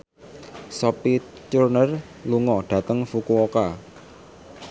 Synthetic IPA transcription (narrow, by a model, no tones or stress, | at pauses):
sɔpi | t͡ʃurnər | luŋɔɖ̥a̤t̪əŋfukuoka